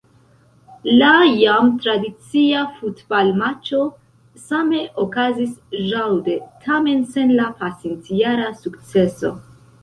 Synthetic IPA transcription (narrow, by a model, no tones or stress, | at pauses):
lajamtɾadit͡siafutbalmat͡ʃo̞ | same̞ʔokazisʒawde̞tʰame̞nse̞nlapasint͡siaɾasukt͡se̞so̞̰